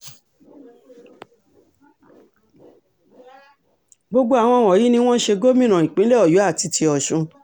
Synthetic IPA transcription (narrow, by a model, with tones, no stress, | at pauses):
ɡ͡bo˦˧ɡ͡bo˦a˨w̃ɔ̃˧wɔ̃˨ji˨˦nĩ˧w̃ɔ̃˦ʃe˧ɡo˦mĩ˦ñã˨ĩ˨k͡pĩ˨˦le˦ɔ˦˨ju˨˦a˦˨ti˧tʰi˧ɔ˨ʃũ˧